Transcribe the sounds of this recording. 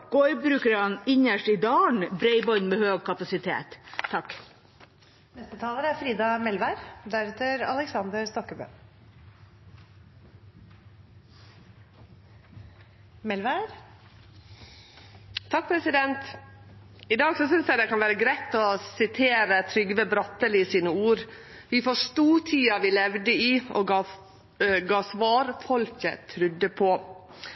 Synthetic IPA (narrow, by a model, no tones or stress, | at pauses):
ɡ̥ɔʏbɾʉːkəɾɑnɪɲəʂʈɪd̪ɑːɳbɾɛɪbɔʏnmɛhøːɡ̚kʰɑpɑsɪt̪ʰḛːt̪ʰːɑkː | nɛst̪ət̪ʰɑːləɾəæɾfɾiːd̪ɑmɛlʋæɾd̪æɾɛt̪əɾɑ̰ləksɑnd̪əɾst̪ɔkəbø̰ː | mɛlʋæɾ | t̪ʰɑk̚pʰɾɛsɪd̪ɛnt̪ | ɪd̪ɑːɡsɔsʏnsjæɪd̪ɛkʰɑnʋæːɾəɡɾæɪt̪ɔsɪt̪ʰeːɾət̪ʰɾʏɡʋəbɾɑt̪ːəlɪsiːnəuːɾ | ʋɪfoːʂt̪uːʈʰiːɑʋɪːlɛʋd̪əiːʔɔɡɑ | ɡɑːsʋɑːɾfɔlkə̰t̪ʰɾʉd̪ːəpʰɔ